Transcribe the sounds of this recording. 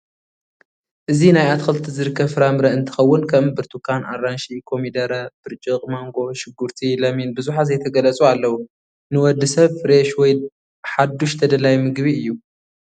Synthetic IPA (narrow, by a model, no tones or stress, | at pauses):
ʔɨzinajat̪xʰɨlt̪ʰizɨɾɨkʰːɐβfɨɾamɾɐɨnt̪ʰɨ̥xɐwːʊnkʰɐmbɨɾt̪ʰukʰana̰rːanʃikʰo̞mid̪ɐɾɐb̥ɨɾt͡ʃʼɨqʼmaŋɡo̞ʃɪɡːuɾt̪ʰilɐminbɨzuħazɐjt̪ʰɐɡɐlɐt͡sʼualːɐwu | nɨwɔd̪ːɨsɐβfɾeʃwɔj | ħad̪ːuʃt̪ʰɐd̪ɐlajmɨɡbiɨjːu